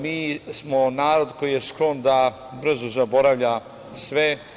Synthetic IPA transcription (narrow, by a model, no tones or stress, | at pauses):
miːsmonaːɾod̪kojije̞sklond̪a | br̩zuzabo̞ɾaʋʎa | sʋe